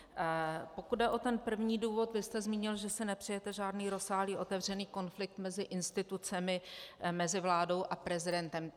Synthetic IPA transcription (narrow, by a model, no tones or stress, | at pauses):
po̞kud̪̚dɛʔo̞t̪ɛnpr̩vɲiːduːvo̞t̪vɪst̪ɛzmiːɲɪlʒɛsɪnɛpr̥ɛjɛt̪ɛʒaːdniːɾo̞saːɦliːʔo̞t̪ɛvr̝ɛniːko̞nflɪk̚t̪mɛzɪʔɪnst̪ɪt̪ut͡sɛmɪmɛzɪvlaːdo̞wʔapɾɛzɪdɛnt̪ɛm